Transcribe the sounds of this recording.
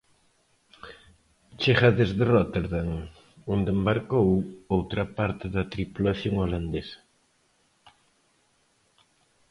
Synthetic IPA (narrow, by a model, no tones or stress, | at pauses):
t͡ʃeχaðezðerot̪eɾðaŋ | ond̪embaɾkowowt̪ɾɐpaɾt̪ɪðɐt̪ɾipulaθjoŋoland̪esɐ̥